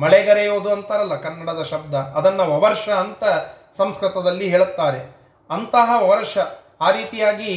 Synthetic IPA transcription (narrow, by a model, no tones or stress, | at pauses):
mɐɭɛɡɐɾejoːd̪uɐnt̪aːɾɐlːɐkɐnːɐɽɐd̪ɐʃɐb̚d̪ʱɐːd̪ɐnːɐʋɐʋɐɾʂɐːnt̪ɐ | sɐmskɾɨt̪ɐd̪ɐlːiɦeːɭut̪ːaːɾe | ɐnt̪ɐɦɐʋɐʋɐɾʂɐ | aːɾiːt̪ijaːɡi